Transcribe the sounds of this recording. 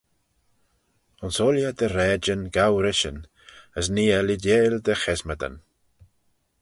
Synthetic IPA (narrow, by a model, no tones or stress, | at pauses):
ʊnsoːljəd̪əɾɛːd͡ʒənɡawɾɪʃə̰n | əs̬niːɛlidjeːld̪əxɛzməd̪ə̰n